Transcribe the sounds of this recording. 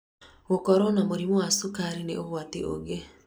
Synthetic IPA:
ɣokɔɾɔnamoɾimowasukaɾinḛʔoɣwatiʔo̰ɡe

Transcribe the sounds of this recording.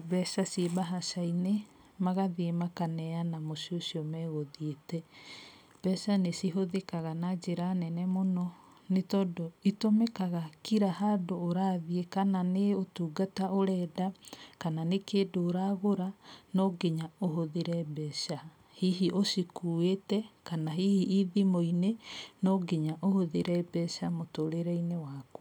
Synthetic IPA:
bɛsasiebaɦasaine | maɣaðiemakanɛanamosiosiɔmɛɣoðietɛ | b̥ɛsanesiɦoðekaɣanad͡ʒeɾanɛnɛmonɔ | netɔːdɔitomɛkaɣakiɾaɦadoːɾaːðiekananeotuːɡataoɾɛːdakananekeːdoːɾaːɣoɾanɔɡeɲaoɦoðeɾɛbɛʃa | hiɦiʔosikuetɛkanaɦihiʔiðimoinenɔɡeɲaʔohoðeɾɛbɛʃamotoɾeɾɛinewakɔ

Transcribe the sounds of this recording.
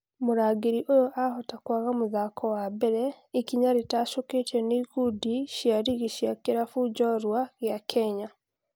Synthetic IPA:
moɾaɡeɾiʔojoʔahotakwaɣamuðakʰɔwabɛɾɛ | ekiɲaɾetaʃoketɛniːɣudiʃjaɾiɣiʃjakeɾafud͡ʒɔɾwaɣjakʰɛɲa

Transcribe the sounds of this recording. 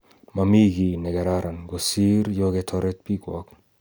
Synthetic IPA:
mamiɡinɛɡɛɾaɾanɡosiɾjoɡet̪ʰɔɾet̪̚pikwɔ̰k

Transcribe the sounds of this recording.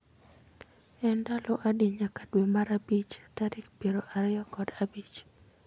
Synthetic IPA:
ɛndaloʔadiɲakadwemaɾabit͡ʃataɾɪkpiɾoʔaɾɪɔkɔdabit͡ʃ

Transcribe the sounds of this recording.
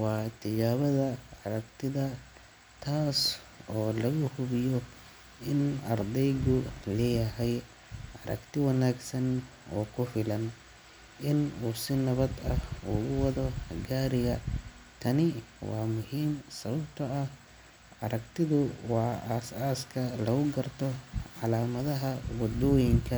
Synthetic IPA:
wɑːt̪ʰɪd͡ʒaːβɐðɐɑɾɐkt̪ʰɪðɐ | t̪ʰaːs | ɔːlɐɣʊhʊβɪjɔ | ɪnɐ̰rd̪ɛjɡʊlɛːjɐɦɛj | ʕɑɾɐ̰kt̪ɪwɐnaːɡsɐn | ɔ̰ːkʰʊfɪlɐn | ʔɪnuːsɪnɐβɐd̪ɐhʊɣʊwɑðɔɡaːɾɪɣɐ | t̪ʰɐnɪwɑːmʊɦiːmsɐβɐbt̪ʰɐɐ | ʕɑɾɐkt̪ʰɪðʊwɑːaːsaːskʰɐlɐɣʊɡɐrt̪ʰɔʕɑlaːmɐðɐɦɐwɑd̪ɔːjɪŋkʰɐ

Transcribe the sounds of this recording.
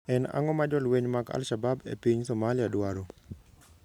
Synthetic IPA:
ɛna̰ŋɔmad͡ʒɔlweɲmaɡa̰lʃababḛpiɲsɔmalɪadwaɾo

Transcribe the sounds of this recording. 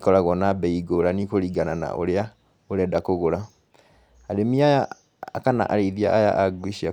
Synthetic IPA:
kɔɾaɣwɔnabɛiɡoɾanikoɾiɡanana̰ʔo̰ɾea | oɾɛdakoɣoɾa | aɾemiajaː | kana̰ʔaɾeiðia̰ʔaja̰ʔaɡwiʃia

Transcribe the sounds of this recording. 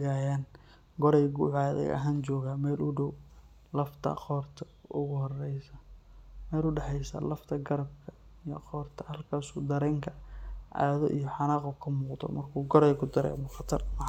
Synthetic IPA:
ɣaːjaːn | ɡɔɾɛjɡʊʕaːðɛ̰jɐ̰ɦaːnt͡ʃɔːɣaːmɛːlʔʊɖɔw | lɐft̪ʰɐ̰qɔːrt̪ʰɐ | ʊɣʊhɔrɛjsɐmɛːlʊɖɑħɛjsɐ̰lɐft̪ʰɐɡɐɾɐb̚kʰɐ | ijɔqɔːrt̪ʰɐ̥hɐlkʰaːsʊ̰ːd̪ɐɾɛːŋkʰɐʕa̰ːðɔʔijɔħɑnɑːqɔkʰɐmuːqd̪ɔ̰mɐrkʰuːɡɔɾɛjkʰʊd̪ɐɾɛ̰mʊχɑt̪ʰɐrm

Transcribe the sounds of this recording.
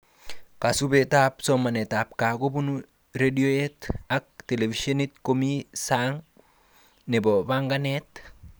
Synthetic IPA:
kasubetapsomanetap̚kaɡobunu | ɾedioetak̚telefisonitkomisaŋ | nebobaŋɡanet

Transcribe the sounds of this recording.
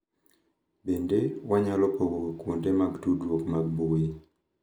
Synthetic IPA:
bendewaɲalɔpowokwondemaɡtudwokmaɡ̚boe

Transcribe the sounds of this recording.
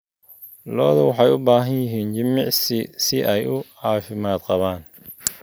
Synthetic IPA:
lɔːðɐwɑħɑjʊbaːɦɐnjɪɦiːnt͡ʃɪmɪʕssɪʔɛjʊʕɑːfɪmaːd̪qɑβaːn

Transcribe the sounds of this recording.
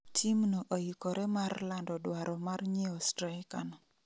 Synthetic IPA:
tʰimnoʔojikɔɾʔɛmarlandɔdwaɾɔmarɲiɔstɾakana

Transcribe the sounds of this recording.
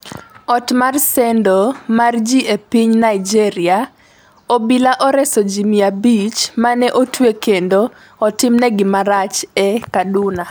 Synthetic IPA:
ɔtmarsɛndomard͡ʒiʔepiɲnaid͡ʒiɾia | obilaʔɔɾɛsod͡ʒimiabit͡ʃmanɛʔotwekendoː | tɪmnɛɡɪmaɾat͡ʃɛkaduna

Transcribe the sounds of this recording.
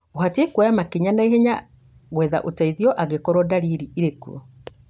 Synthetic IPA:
ohatekwajamakeɲanaeɦeɲa | ɣwɛða̰ʔotaiðiɔʔaɣekɔɾɔdaɾiɾiiɾekṵɔ̰

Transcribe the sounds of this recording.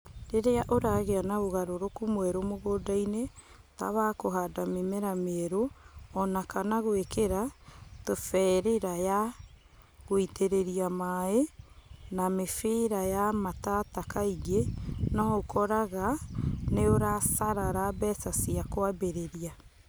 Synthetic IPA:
ɾeɾeaʔoɾaɣeanaoɣaɾoɾokumwɛɾomoɣoːdaine | ta̰βakoɦadamemeɾameːɾoɔnakanaɣwekeɾatofɛɾeɾaja | ɣoitʰeɾeɾiamae | namefeɾajamatatakaiɣenɔokʰɔɾaɣaneoɾasaɾaɾabɛsasiakoabeɾeɾia

